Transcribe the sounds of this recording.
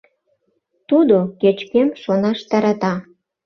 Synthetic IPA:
t̪ud̪oket͡ɕkemʃonɑʃt̪ɑɾɑt̪ɑ

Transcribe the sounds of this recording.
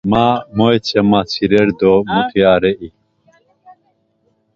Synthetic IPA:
maːmojt͡ɕʰemaːt͡sʰiɾeɾd̪omut̪ʰiaːɾeʔi

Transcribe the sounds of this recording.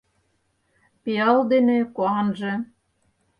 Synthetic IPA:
peɑld̪enekuɑnʒĕ

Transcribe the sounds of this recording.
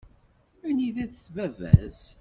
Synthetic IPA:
æniðæðθvævæ̰z

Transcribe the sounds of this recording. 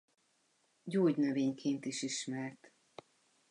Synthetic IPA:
ɟoːɟnøveːɲkʰeːnt̪iʃiʃmɛrt̪

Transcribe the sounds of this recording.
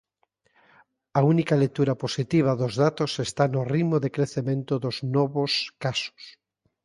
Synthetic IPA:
aunikalek̚t̪uɾaposit̪iβ̞aðozðat̪osest̪anorimoðekɾeθemẽnt̪oðoznɔβoskaso̥s

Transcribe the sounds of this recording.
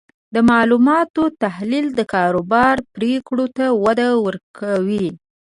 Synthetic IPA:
d̪əmɑlumɑt̪ot̪ahlild̪əkɑɾobɑɾpɾekɽot̪awad̪awəɾkʰawi

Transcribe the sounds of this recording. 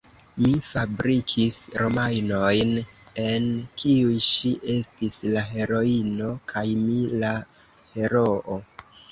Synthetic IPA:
mifabɾikʰisɾo̞majno̞jne̞nkʰiujʃiʔe̞stislaɦe̞ɾo̞ino̞kʰajmila | he̞ɾo̞ʔo

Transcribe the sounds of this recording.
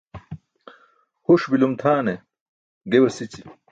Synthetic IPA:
huʂbilumt̪ʰaːne | ɡewɐsit͡ɕi

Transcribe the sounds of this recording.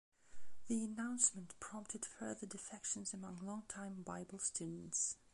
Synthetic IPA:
ðiɨnãʊ̃nsmə̃ntpʰɹ̥ɑ̃mp̚tʰɨd̥fɜ˞ðə˞dɨfɛkʃə̃n̩zɨmʌ̃ŋlɔ̃ŋtʰãɪ̃mbaɪbl̩ˠstʰʉdⁿn̩ts

